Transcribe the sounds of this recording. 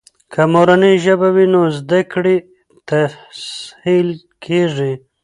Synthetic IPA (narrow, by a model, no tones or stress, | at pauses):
kʰamoɾaniʒəbawinozd̪akɽi | t̪ashil | kʰeʐi